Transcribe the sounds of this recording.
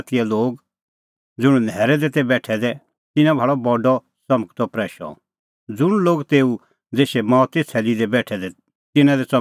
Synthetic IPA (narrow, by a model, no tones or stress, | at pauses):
t̪ɪjɛloːɡ | d͡zʊɽ̃nɛːɾɛd̪ɛt̪ɛbɛːʈʰɛd̪ɛ | t̪ɪnãbʱaːɭɔbɔɖɔ | sɐməɡt̪ɔpɾɛːʃɔ̰ | d͡zʊɽ̃loːɡt̪eːu | d͡zeːʃɛmaːt̪et͡sʰɛːlid̪ɛbɛːʈʰɛd̪ɛ | t̪ɪnãd̪ɛt͡sɐ